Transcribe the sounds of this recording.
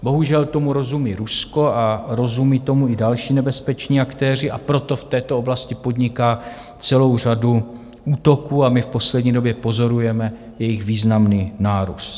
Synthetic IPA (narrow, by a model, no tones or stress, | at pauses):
bo̞ɦuʒɛlt̪o̞muɾo̞zumiːɾusko̞aɾo̞zumiːt̪o̞muɪdalʃiːnɛbɛspɛt͡ʃɲiːakt̪ɛːr̝ɪʔapɾo̞t̪o̞ft̪ɛːt̪oo̞blascɪpo̞dɲɪkaː | t͡sɛlo̞wr̝adu | uːt̪o̞kuːamɪfpo̞slɛdɲiːdo̞bjɛpo̞zo̞ɾujɛmɛ | jɛjɪɣviːznamniːnaːɾṵst̪